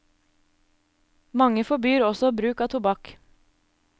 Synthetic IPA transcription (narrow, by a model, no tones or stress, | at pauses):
mɑŋəfɔbyːɾɔsɔbɾʉːkɑːt̪ʰʊbɑk